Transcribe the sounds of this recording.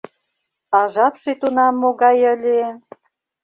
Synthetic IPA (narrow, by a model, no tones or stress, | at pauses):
ɑʒɑpʃet̪unɑmːoɣɑjə̆lʲe